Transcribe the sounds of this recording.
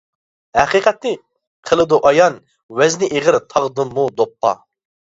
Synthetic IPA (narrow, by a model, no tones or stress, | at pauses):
hæqiqʰɛt̪nɪ | qʰəlˠɨd̪uʔɑjɑn | wɛznɪʔeʁəɾt̪ʰɑʁd̪ɨmːud̪opʰːɑ̰